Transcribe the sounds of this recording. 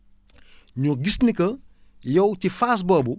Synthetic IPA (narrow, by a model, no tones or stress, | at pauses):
ɲuɡisnikɐ | jɐwtifaːs̬bɐːbu